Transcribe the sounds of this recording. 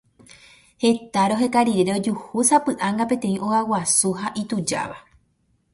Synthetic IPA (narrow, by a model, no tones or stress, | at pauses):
he̞t̪aɾo̞ɦe̞kaɾiɾeɾeod͡ʒuhusapɨʔãŋɡapẽ̞t̪ẽ̞ĩʔo̞awasuɦaʔit̪ud͡ʒa̰ʋa